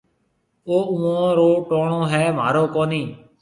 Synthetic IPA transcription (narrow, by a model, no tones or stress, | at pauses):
oːʊːõːɾoːʈoːɳõːɦɛːm̤a̰ːɾoːkoːniː